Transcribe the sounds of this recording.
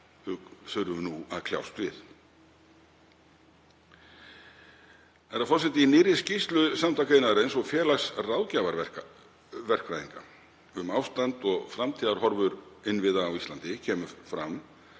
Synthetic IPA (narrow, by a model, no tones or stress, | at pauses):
ʏθʏɾvʏnuaðkʰlja̰wst̪vɪð | θaɾafɔɾsɛt̪ɪinɪːɾɪscist̪lʏsamt̪ʰak̬aɪnaðɾejnsɔɣfjɛːlasrawðcavaɾɛ̥k | vɛr̥kvɾajðiŋka̰ | ʏmawst̪ant̪ɔɣfɾamt̪ʰiːðaɾɦɔɾvʏɾɪnvɪðaːwist̪ant̪ɪcʰɛːmʏfɾa̰mː